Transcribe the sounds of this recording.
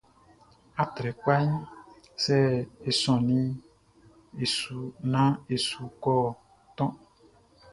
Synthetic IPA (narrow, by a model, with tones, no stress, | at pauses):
a˨t̪ɾɛ˨k͡pa˦ɲ | sɛ˦e˨sɔ̃˨nĩ˦ | e˨su˨nã˦e˨su˨kɔ˦˨ | t̪ɔ̃˦